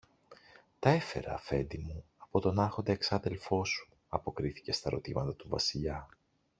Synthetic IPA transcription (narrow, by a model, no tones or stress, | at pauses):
t̪ɐe̞fe̞ɾɐ̰ːfe̞nd̪imuɐpo̞t̪o̞nɐɾxo̞nd̪eeksɐðe̞lfo̞su̥ | ɐpo̞kɾiθi̥ce̞st̪ɐɾo̞̰t̪imɐt̪ɐt̪uvɐ̰siʎɐ